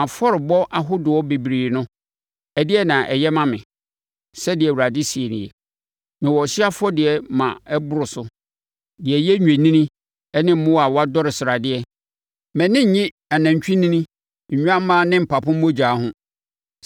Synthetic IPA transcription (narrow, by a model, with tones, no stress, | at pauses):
ã˨fɔ˦ɾɪ˨bɔ˦ʔa˦ɦʊ˦dʊ˨wɔ˦be˨bɾiː˨nʊ̃˦ | ɛ˨dɪ˦ɛ˦nã˨ʔɛ̰˨jɛ˦mã˦mɪ̰̃˨ | sɛ˦dɪ˨ɛ˨wu˨ɾa˨dɪ˦si˨e˨nɪ̰̃˨jɛ˨ | nɪ̃˨wɔ˨ɕi˦a˦fʊ˦ɔ˦dɪ˨ɛ˨mã̰˨ɛ˦bʊ˦ɾʊ˨sʊ˦ | dɪ˨ɛ˨jɛ˦ɲᶣ˨ẽ˨nĩ˦nĩ˦ | ɛ˦nɪ̃˦m̩˦mʊ̃˦wa˨wɔ˦a˦dɔ˦ɾɪ˨sɪ˨ɾa˨dɪ˦ɛ˦ | mɛ̃˨nɪ̃˦ɲ̩˨ɲɪ̃˦ | ɛ˨nã˨ɲ˨t͡ɕᶣĩ˦nĩ˦nĩ˦˨ | ɲᶣu˦ã˦m˦mãː˦nɪ̃˦m̩˨pʰa˨pʰʊ̃˦m̩˦mõ˦d͡ʑᶣaː˨˦ɦʊ̃˦